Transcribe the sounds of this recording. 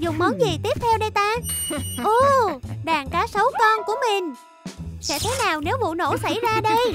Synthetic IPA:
zʊ˨˩ŋ͡mmɔ˨˦jŋzi˨˩t̪i˦˥əp̚t̪ʰɛ˧wɗə˧jt̪aː˧ʔu˧˩ɗaː˨˩ŋkaː˨˦sə˨˦wkɔ˧nku˧˩əmï˨˩ŋ̟ | sɛ̰˧˥t̪ʰə˨˦jnaː˨˩wne˨˦wvṵ˧˨no̰˧˥˩sa˧˩jzaː˧ɗə˧j

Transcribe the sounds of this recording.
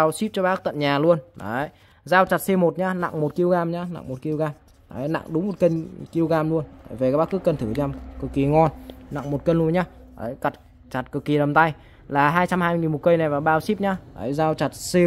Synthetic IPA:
a˧wsi˦˥p̚t͡ɕɔ˧ɓaː˦˥k̚t̪ə̰˧˨nɲaː˨˩lu˧ənɗə˨˦ | zaː˧wt͡ɕa˨˩t̚se˧mo˨˩t̚ɲaː˧na̰˧˨ŋmo˨˩t̚ki˧wɣaː˧mɲaː˧na̰˧˨ŋmo˨˩t̚ki˧əwɣaː˧m | ʔa˨˦na̰˧˨ŋɗʊ˨˦ŋ͡mmo˨˩t̚kə˧nki˧əwɣaː˧mlu˧ən˧˨˩jve˨˩kːa˦˥ɓaː˦˥kːɨ˦˥kːə˧nt̪ʰɨ˧˩zaː˧mkɨ˨˩kːi˨˩ŋɔ˧nna̰˧˨ŋmo˨˩t̚kə˧nlu˧ənɲaː˧˦ | ʔə̰˨˦jka˨˩t̚ | t͡ɕa˨˩t̚kɨ˨˩kːi˨˩ɗə˨˩mt̪a˧j | laː˨˩ɦaː˧jt͡ɕa˧mhaː˧jŋi˨˩mo˨˩t̚kə˧jna˨˩jvaː˨˩wɓaː˧wsi˦˥p̚ɲaː˧˥ʔə̰˨˦zaː˧wt͡ɕa˨˩t̚se˧

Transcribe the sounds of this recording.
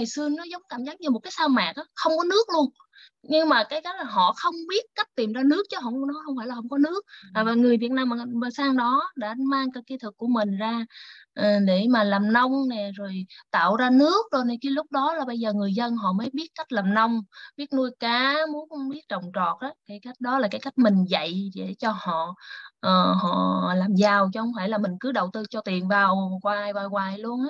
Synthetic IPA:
jsɨ˧ənɔ˨˦zə˨˦wŋ͡mkaː˧˩mzaː˨˦˥ŋ̚ɲa˧mo˨˩t̚kaː˨˦saː˧wma̰ː˨˩k̚ʔaː˨˦xə˧wŋ͡mkɔ˨˦nɨ˦˥ək̚lu˧ən | ɲɨ˧ŋmaː˨˩kaː˨˦jka˦˥jk̚laː˨˩ɦɔ̰˧˨xə˧wŋ͡mɓi˦˥ət̚ka˦˥jk̟̚t̪i˨˩mzaː˧nɨ˦˥ək̚t͡ɕɔ˨˦ɦwnɔ˨˦xə˧wŋ͡mfaː˧˩jlaː˨˩xə˧wŋ͡mkɔ˨˦nɨ˦˥ək̚aː˨˩vaː˨˩ŋɨ˨˩əjvi˨˩t̚naː˧maː˨˩ɓəː˨˧˩saː˧ŋɗɔ˨˦ɗa̰ː˧˥maː˧ŋka˨˧˩ki˧t̪ʰɨ˨˩kːu˧˩əmï˨˩ŋ̟zaː˧ʔəː˨˩ɗe˧˩maː˨˩laː˨˩mnə˧wŋ͡mnɛ˨˩zo˨˩jt̪a̰ː˧˨wzaː˧nɨ˦˥ək̚ɗo˧jne˨˩ki˧˦lʊ˦˥k͡p̚ɗɔ˨˦laː˨˩ɓə˧jzəː˨˩ŋɨ˨˩əjzə˧nɦɔ̰˧˨məː˨˦jɓi˦˥ət̚ka˦˥k̟̚laː˨˩mnə˧wŋ͡mɓi˦˥ət̚nu˧jkaː˨˦mu˨˦n˧ŋ͡mɓi˦˥ət̚t͡ɕə˨˩wŋ͡mt͡ɕɔ˨˩t̚ʔə˨˦kaː˨˦jka˦˥jk̟̚ɗɔ˨˦laː˨˩kaː˨˦jka˦˥jk̟̚mï˨˩ŋ̟və̰˧˨jɗe˧˩t͡ɕɔ˧hɔ̰˧˨ʔəː˨˩hɔ̰˧˨laː˨˩mzaː˨˩wt͡ɕɔ˧hə˧wŋ͡mfʰaː˧˩jlaː˨˩mï˨˩ŋ̟kɨ˨˦ɗə˨˩wt̪ɨ˧t͡ɕɔ˧t̪i˨˩ənvaː˨˩wkwaː˨˩jvaː˨˩jwaː˨˩jlu˧ənʔaː˨˦

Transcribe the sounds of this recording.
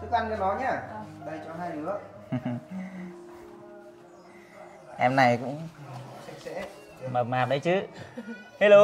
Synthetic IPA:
sɨ˨˦˥kʔa˧nka˨˦nɔ˨˦ɲaː˧˩ɗə˧˩jt͡ɕɔ˨˧˦ɦaː˧jɗɨ˨˦ə | ʔɛ˧mna˨˩jkʊ̰˧˥ŋ͡mi˨˦kɛ̰˧˥ | mə˨˩p̚maː˨˩p̚ɗə˨˦jt͡ɕɨ˨˦ | he˧˦lo˧

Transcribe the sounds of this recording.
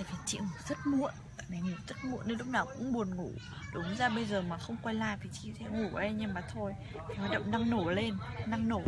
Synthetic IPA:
t̪aː˧˩t̪ʰi˨˩t͡ɕḭ˧˨ŋu˨˩zə˦˥t̚mṵ˧˨ən˨˩na˨˦jŋu˨˩zə˦˥t̚mu˧˨ənːe˧nlʊ˦˥k͡p̚naː˨˩wkʊ̰˧˥ŋ͡mɓu˨˩ənŋu˧˩ | ɗʊ˨˦ŋ͡mzaː˧ɓə˧jzəː˨˩maː˨˩xə˧wŋ͡mkwa˧jlaː˧˩jt̪ʰi˨˩t͡ɕḭ˧˨sɛ̰˧˥ŋu˧˩ʔə˧jɲə˧˩maː˨˩t̪ʰo˧j | ha˨˩t̚ɗə̰˧˨ŋ͡mna˧ŋno˧˩le˧nna˧ŋno˧˩

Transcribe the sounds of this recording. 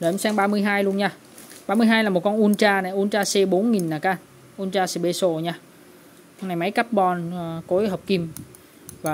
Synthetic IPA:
zo˨˩˨ʔɛ˧msɛ˧ŋɓaː˧mɨ˧əjɦaː˧jlu˧ənɲaː˧ | ɓaː˧mɨ˧əjɦaː˧jlaː˨˩mo˨˩t̚kɔ˧nʔu˧ənt͡ɕaː˧na˨˩jʔu˧nt͡ɕaː˧se˧ɓo˨˦nŋi˨˩nnaː˨˩kaː˧˨n | ʔu˧ənt͡ɕaː˧si˧˩ɓe˧so˧˩ɲaː˧ | ɔ˧na˨˩jma˨˦jka˦˥p̚ɓɔ˧˩n˨ko˨˦jɦə˨˩wk͡p̚ki˧m | vaː˨˩

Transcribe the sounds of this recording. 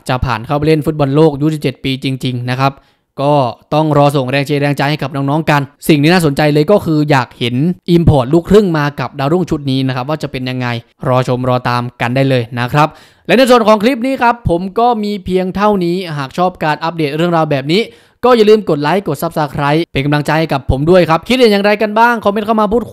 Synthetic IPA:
t͡ɕa˨˩pʰa̰ː˨˩nkʰa˥˩p̬a˨˩le˥˩nfu˦˥t̪̚bɔ˧nloː˥˩k̚ju˦˥s̬i˨˩p̚t͡ɕe˨˩t̪̚piː˧t͡ɕi˧ŋt͡ɕi˧ŋna˦˥kʰa˦˥p̚ | kɔː˥˩t̪ɔ˥˩ŋɾɔː˧so˨˩ŋɾɛː˧ŋt͡ɕʰeː˧ɾɛː˧ŋt͡ɕa˧jha˥˩jka˨˩p̚nɔː˧˥ŋnɔː˦˥ŋka˧nsi˨˩ŋt̪ʰiː˥˩naː˥˩so˩˦nt͡ɕa˧jlɤː˧jkɔː˥˩kʰɯː˧jaː˨˩k̚he˩˦nʔi˧mpʰɔː˨˩t̪̚luː˥˩kʰɾɯ˥˩ŋmaː˧ka˨˩p̚daː˧wɾu˥˩ŋt͡ɕʰu˦˥t̪̚niː˦˥na˦˥kʰɾa˦˥p̚waː˥˩t͡ɕa˨˩pe˧nja˧ŋːa˧j | ɾɔː˧t͡ɕʰo˧mɾɔː˧t̪aː˧mka˧ndaː˥˩jlɤː˧jna˦˥kʰɾa˦˥p̚ | lɛ˦˥na˧jsu˨˩ənkʰɔː˩˦ŋkʰliː˦˥p̚niː˦˥kʰɾa˦˥pʰːo˩˦mkɔː˥˩miː˧pʰi˧əŋt̪ʰa˥˩wniː˦˥ɦaː˨˩k̚t͡ɕʰɔː˥˩p̚kaː˧nʔa˦˥p̚deː˨˩t̪̚ɾɯ˥˩əŋɾaː˧wbɛː˨˩p̚niː˦˥ | kɔː˥˩ja˨˩˦lɯː˥˩mko˨˩t̪̚laː˦˥jko˨˩t̪̚sa˦˥p̚saː˧kʰɾa˦˥jpe˧nka˧mla˧ŋt͡ɕa˧jha˥˩jka˨˩pʰːo˩˦mdu˥˩əjkʰa˦˥p̚kʰi˦˥ja˨˩ja˨˩ŋɾa˧jka˧nbaː˥˩ŋkʰa˧˩me˧˥nkʰa˥˩wmaː˧pʰuː˥˩t̪̚

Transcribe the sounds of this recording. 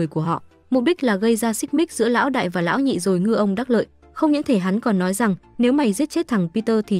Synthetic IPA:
əjku˧˩əɦɔ̰˧˨ | mo˨˩ɓi˦˥k̚laː˨˩ɣə˧jzaː˧sï˦˥k̚ɓi˦˥k̚zɨ̰˧˥əla̰ː˧˥wɗa̰ː˧˨jvaː˨˩la̰ː˧˥wɲḭ˧˨zo˨˩jŋɨ˧əʔə˧wŋ͡mɗaː˦˥t̚lə̰ː˧˨j | xə˧wŋ͡mɲɨ̰˧˥ŋt̪ʰe˧˩ɦa˨˦nkɔ˨˩nːɔ˨˦jza˨˩ŋne˨˦wma˨˩jzi˦˥ət̚t͡ɕe˦˥t̚t̪ʰa˨˧˩ŋpi˧t̪əː˧t̪ʰi˨˩

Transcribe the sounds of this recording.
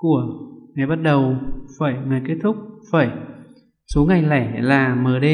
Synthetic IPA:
ku˧˩əŋa˨˩jɓa˦˥t̚ɗə˨˩wfaː˧˩jŋɨ˨˩jke˦˥t̚t̪ʰʊ˦˥k͡p̚faː˧˩j | so˨˦ŋa˨˩jla̰ː˧˩jlaː˨˩məː˨˩ɗə˧

